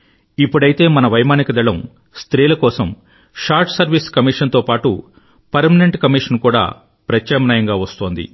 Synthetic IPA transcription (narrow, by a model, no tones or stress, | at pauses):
ipːuɽɐjit̪e̞ːmɐnɐʋɐjmaːnikɐd̪ɐɭɐm | st̪ɾiːlɐkɔːsɐm | ʂaːɾʈsɐɾʋiːskɐmiːʂɐnt̪o̞ːpaːʈṵ | pɐɾmɐneɳʈkɐmiːʂɐnkuːɽa̰ː | pɾɐt͡ʃːɐːmnɐjɐŋɡaːʋɐst̪oːnd̪ḭ